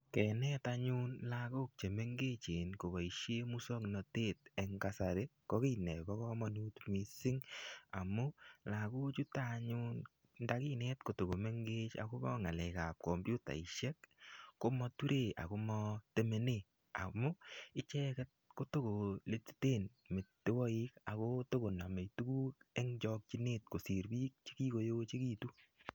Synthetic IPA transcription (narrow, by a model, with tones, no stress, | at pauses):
kɛ˨nɛ˦ta˧ɲu˦nla˧ko˦k̚t͡ʃe˨me˦ŋɡe˦t͡ʃe˨nko˨βɔ˨iʃje˦mu˦sɔ˦knɔ˨te˦t̚e˨ŋka˦sa˨ɾe˦kɔ˦ki˦nɛ˨kɔ˦kɔ˦mɔ˧nu˦tmi˦sɪ˦ŋa˨mu˦la˨ku˦t͡ʃu˦ta˦ɲu˦n | nda˧ki˦nɛ˦tko˨to˨ko˨me˦ŋɡe˦t͡ʃa̰˨ko˦bɔ̰˦ŋa˨lɛ˨ka˨p̚ko˨mbju˦ta̰˨i˨ʃɛ˦kːo˦mɔ˧tu˦ɾʔe˦˨a̰˨ko˧˦mɔ˧te˨me˨ne˦˨ | a̰˨mu˦ɪ˦t͡ʃɛ˦kɛ˦t̚ko˦to˦ko˨le˦˧ti̥˦te˦n | me˨tte˦wɔ˦i˦ka˨ko˦to˦ko˨na˨me˨jtu˦ku˦ke˦ŋt͡ʃɔ˧k̚t͡ʃi˦ne˦t̚ko˨si˨ɾbi˦k̚t͡ʃi̥˦ki˦ko˨jo˦t͡ʃe˦ki˦tu˦